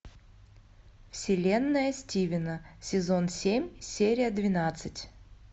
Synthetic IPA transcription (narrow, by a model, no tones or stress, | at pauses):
fsʲɪlʲe̞nːəjəsʲtʲivʲɪnəsʲɪzonsʲemʲsʲeɾʲɪjəd̪vʲɪnat̪sɨtʲ